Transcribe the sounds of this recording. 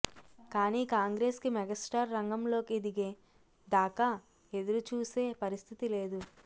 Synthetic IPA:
kaːniːkaːŋɡɾe̞ːskimɛɡɐsʈaːɾːɐŋɡɐmlo̞ːkid̪iɡeː | d̪aːka | e̞d̪uɾut͡ʃuːse̞ːpɐɾist̪ʰit̪ile̞ːd̪u

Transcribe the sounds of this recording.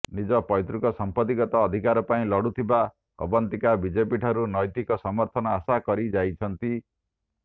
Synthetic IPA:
nid͡ʒɔpɔjt̪ɾukɔsɔmpɔt̪iɡɔt̪ɔːd̪ʱikaɾɔpaĩlɔɽut̪ʰiba | ɔ̰bɔnt̪ikabid͡ʒepiʈʰɔɾunɔjt̪ikɔsɔmɔɾt̪ʰɔnɔasakɔɾid͡ʒajt͡ʃʰʌnt̪i

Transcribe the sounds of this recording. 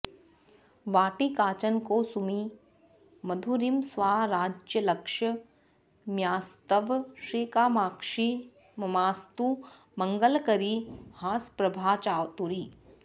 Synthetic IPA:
ʋaːʈikaːt͡ʃənkoːsumi | mɐd̪ʱuɾimsʋaːɾaːd͡ʒjəlɐkʂɐ | mjaːst̪əʋʃɾiːkaːmaːkʂi | mɐmaːst̪u | mɐŋɡəlkɐɾihaːspɾɐbʱaːt͡ʃaːwt̪uɾiː

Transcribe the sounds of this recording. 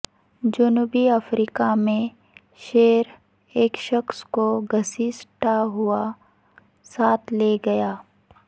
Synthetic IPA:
d͡ʒʊnuːbiəfɾiːkamẽ | ʃeːɾ | eːkʃəxskoɡʱɐsisʈaɦʊa | saːt̪ʰleɡɐjaː

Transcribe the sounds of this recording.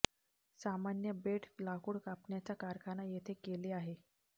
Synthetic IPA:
samanjəbeʈʰlakuːɽkapɳjat͡ɕakaɾkʰanajet̪ʰekeleaɦe

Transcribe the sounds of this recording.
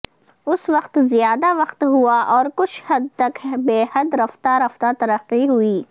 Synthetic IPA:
ʊsʋɐqt̪zijaːd̪aʋɐqt̪ɦuaʔɔːɾkʊt͡ʃʰhɐd̪̚t̪ɐkbeːhɐd̪ɾɐft̪aɾɐft̪at̪ɐɾəqːiɦʊiː

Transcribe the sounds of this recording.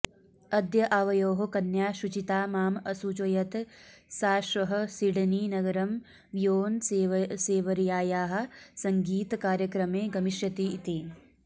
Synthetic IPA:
ɐd̪jɐʔaːʋɐjoːɦokɐnjaːʃut͡ʃit̪aːmaːmɐsut͡ʃɐjɐt̪saːʃʋɐɦɐ̆siɽniːnɐɡɐɾɐm | joːnseːʋɐɾjaːjaːɦɐ̆sɐŋɡiːt̪kaːɾjɐkɾɐmeːɡɐmiʃjɐt̪iːt̪eː

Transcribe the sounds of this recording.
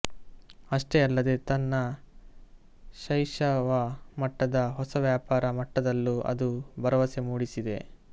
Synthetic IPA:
ɐʂʈe̞ɐlːɐd̪e̞t̪ɐnːɐ | ʃɐjʂɐʋɐmɐʈːɐd̪ɐɦɔsɐʋjaːpaːɾɐmɐʈːɐd̪ɐlːuʔɐ̰d̪ubɐɾɐʋɐse̞muːɽisid̪e̞̰

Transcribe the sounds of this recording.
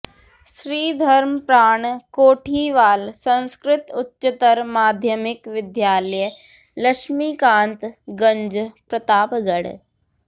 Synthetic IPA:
sɾiːd̪ʱɐɾmpɾaːɳkoːʈʰiːʋaːlsə̃nskɾɪt̪ʊtːʃɪt̪əɾmaːd̪ʱjəmɪkʋɪd̪jaːləj | lɐkʃmiːkãːnt̪ɡɐ̃ɲd͡ʒpɾɐt̪aːpɡəɽ

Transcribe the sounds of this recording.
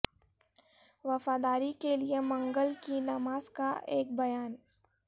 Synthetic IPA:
ʋɐfaːd̪aːɾikeliemɐ̃ŋɡəlkinɐmaːzkaʔeːk̚bɐjaːn

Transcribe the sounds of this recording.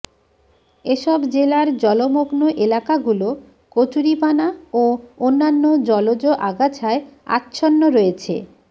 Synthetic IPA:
eʃɔbd͡ʑelaɾd͡ʑɔlomoɡnoʔelakaɡulo | kot͡ɕuɾipanaoonːanːod͡ʑɔlod͡ʑoʔaɡat͡ɕʰaea̰tːɕʰonːoɾoet͡ɕʰḛ

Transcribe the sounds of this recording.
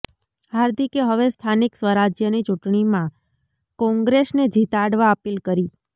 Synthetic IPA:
ɦaɾd̪ʱikeɦəʋest̪ʰaniksʋəɾad͡ʒjənit͡ʃuʈɳ̃imã | kɔ̃ŋɡɾesned͡ʒit̪aɽʋaəpilkəɾi

